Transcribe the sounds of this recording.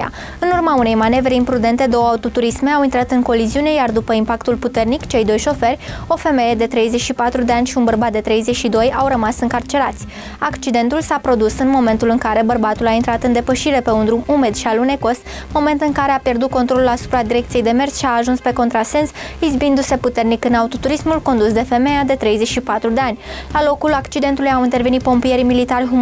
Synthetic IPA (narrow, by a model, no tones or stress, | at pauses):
a̰ | ɨnurmaune̞jmane̞vɾeimpɾud̪e̞nt̪e̞d̪o̞wəaut̪o̞t̪uɾisme̞awint̪ɾat̪ɨŋko̞liziune̞jard̪upəimpakt̪ulput̪e̞rnikt͡ʃe̞jd̪o̞jʃo̞fe̞rʲo̞fe̞me̞je̞d̪e̞t̪ɾe̞jze̞t͡ʃʃipat̪ɾud̪e̞anʲʃiunbərbat̪̚d̪e̞t̪ɾe̞jzet͡ʃʃid̪o̞jawrəmasɨŋkart͡ʃe̞ɾat̪sʲ | akt͡ʃid̪e̞nt̪ulsapɾo̞d̪usɨnmo̞me̞nt̪ulɨŋkaɾe̞bərbat̪ulaint̪ɾat̪ɨnd̪e̞pəʃiɾe̞pe̞und̪ɾumume̞d̪ʃialune̞ko̞st̪ | mo̞me̞nt̪ɨŋkaɾe̞apje̞rd̪ut̪̚kot̪ɾo̞lulasu̥pɾad̪iɾe̞kt̪sijejd̪e̞me̞rt̪sʃiaːʒunspe̞ko̞nt̪ɾase̞nsizbind̪use̞put̪e̞rnikɨnaut̪o̞t̪uɾismulko̞nd̪usd̪e̞fe̞me̞jad̪e̞t̪ɾe̞jze̞t͡ʃʃipat̪ɾud̪e̞anʲlalo̞kulakt͡ʃid̪e̞nt̪ulujawint̪e̞rve̞nit̪po̞mpije̞ɾimilit̪arʲɦum